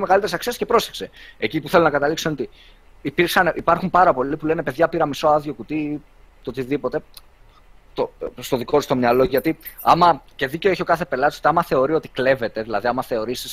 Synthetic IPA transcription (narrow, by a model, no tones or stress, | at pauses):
me̞ɣɐlit̪eɾsɐksie̞sce̞pɾo̞sekse̞ecipuθelonɐkɐt̪ɐliksoenot̪i | ipiɾksɐneʔipɐɾxumpɐɾɐpo̞lipulene̞pe̞ðʝɐpiɾɐmisoɐðʝo̞kut̪i | t̪o̞t̪iðipo̞t̪e̞ | t̪ost̪o̞ðikot̪st̪o̞mɲɐlo̞ʝɐt̪iɐmɐce̞ðice̞eçokɐθe̞pe̞lɐt̪isot̪iɐmɐθe̞o̞ɾio̞t̪ikle̞ve̞t̪e̞ðilɐðiɐmɐθe̞o̞ɾisis